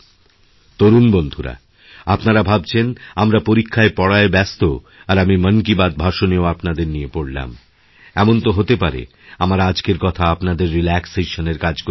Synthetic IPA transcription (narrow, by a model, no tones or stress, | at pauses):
t̪oɾunbond̪ʱuɾa̰ | apnaɾabʱab̚t͡ɕʰenamɾapoɾikʰːaepɔɽaebɛst̪o | aɾamimənkibad̪̚bʱaʃoneoapnad̪eɾnijepoɽla̰m | ɛmont̪oɦot̪epaɾḛ | amaɾad͡ʑkeɾkɔt̪ʰaapnad̪eɾːilɛkseʃoneɾkad͡ʑko